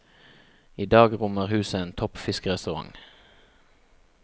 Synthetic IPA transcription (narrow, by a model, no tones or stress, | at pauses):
iːd̪ɑːɡʁʊməʁhʉːsəeːnt̪ʰɔpfɪskəʁɛst̪ʉʁɑ̰ŋ